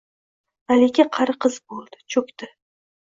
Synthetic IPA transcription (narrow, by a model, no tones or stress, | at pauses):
alekʲɪqʰɑɾɨqʰɨzbolˠd̪ɪ̥t͡ʃʰɵkʲt̪ɪ